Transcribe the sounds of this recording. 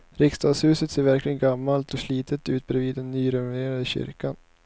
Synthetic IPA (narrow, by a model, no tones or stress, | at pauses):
ɾɪkst̪ʰɑːɡ̪shʉ̟ːsət̪seːɾvæɾklɪɡənɡamːalt̪ɔʂliːt̪ʰət̪ʉ̟ːt̪̚bɾɛviːd̪ːɛnːyːɾɛnɪneːɾad̪əɕʏ̰ɾkan